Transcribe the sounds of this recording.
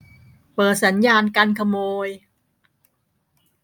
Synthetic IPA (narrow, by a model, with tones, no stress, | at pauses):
pɤː˨˩t̪̚sa˩˦njaː˧nka˧nkʰa˧moː˧j